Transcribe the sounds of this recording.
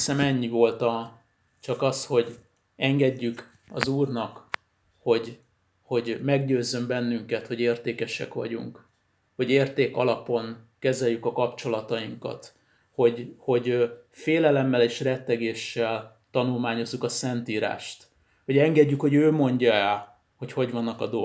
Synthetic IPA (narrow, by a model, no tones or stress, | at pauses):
sɛmɛɲːivo̞lt̪ɒ | t͡ʃɒkɒst̪ho̞ɟ | ɛŋɡɛɟːyk | ɒ̰zuːrnɒk | ho̞ɟ | ho̞ɟmɛɡɟøːzːø̞mbɛnːyŋkɛt̪ho̞ɟeːrt̪eːkɛʃɛ̰kʋɒ̰ɟṵŋk | ho̞ɟeːrt̪eːkɒlɒpo̞nkɛzɛjːykɒkɒpt͡ʃo̞lɒt̪ɒjiŋkɒ̰t̪ | ho̞ɟho̞ɟfeːlɛlɛmːɛleːʃrɛt̪ːɛɡeːʃːɛl | t̪ɒnulmaːɲo̞zːukɒsɛnt̪iːɾa̰ːʃt̪ | ho̞ɟɛŋɡɛɟːykho̞ɟøːmo̞ɲɟɒɛl | ho̞cho̞ɟvɒnːɒkɒd̪o